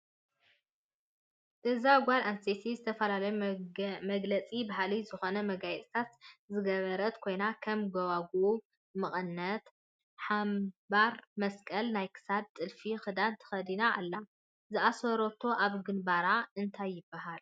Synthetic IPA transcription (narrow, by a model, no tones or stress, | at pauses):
t̪ɨzaɡʷalanset̪ʰizɨt̪ʰɐfɐlalɐj | mɐɡlɐt͡sʼibaɦalizɨxo̞nɐmɐɡajɛt͡sʼt̪ʰat̪zɨɡɐβɐɾɐt̪kʰo̞jnakʰɐmɡɐwaɡu | mɨχʼɨnːɐt̪ | ħambaɾmɐskʼɐlnajkʰɨ̥sad̚t̪ʼɨlfixɨd̪ant̪ʰɐ̥xɐd̪inaʔːlːa | zɨʔasoɾot̪ʰo̞ʔaβɡɨnbaɾaɨnt̪ʰajːɪbːaɦal